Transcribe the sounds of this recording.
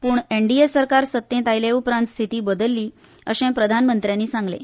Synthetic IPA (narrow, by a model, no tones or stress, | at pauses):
puːɳeɳɖiesəɾkaɾsət̪ːẽt̪ajleupɾãnt̪st̪ʰit̪iːbəd̪əlːiː | ə̰ɕẽpɾəd̪ʱanmənt̪ɾjanːiːsãŋɡlḛ